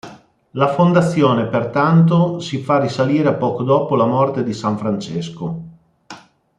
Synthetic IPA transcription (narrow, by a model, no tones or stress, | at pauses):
lafond̪at̪sːjoːnepert̪ant̪̬osifarisaliːɾeapːɔːkod̪ɔːpolamɔrt̪ed̪isaɱfɾant͡ʃesko